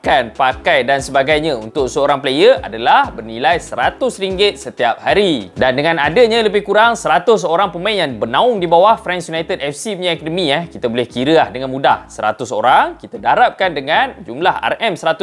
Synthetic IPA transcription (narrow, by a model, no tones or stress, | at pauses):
kanpakajdansəbaɡajɲãunt̪ʊksəoɾaŋpələjəʔa̰dalahbərnilajsəɾat̪ʊsɾiŋɡɪt̪̚sət̪iap̚haɾidandəŋãnadəɲãləbɪhkuɾaŋsəɾat̪ʊsoɾaŋpəmãʔjaŋbənãʊŋdibawahfɾɛnsjunajt̪ədɛfsimiakədəmĩɛhkit̪abolɛhkiɾəlahdəŋanmudahsəɾa̰t̪ʊso̰ɾaŋkit̪adaɾap̚kandəŋand͡ʒumlaha̰rɛmsəɾat̪ʊ